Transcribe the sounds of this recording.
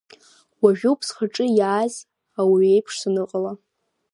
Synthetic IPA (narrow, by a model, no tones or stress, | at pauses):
waʒᶣuwpʰsχaʈ͡ʂʼɨjaazʲ | awiejpʰʂsɨnɨqʼala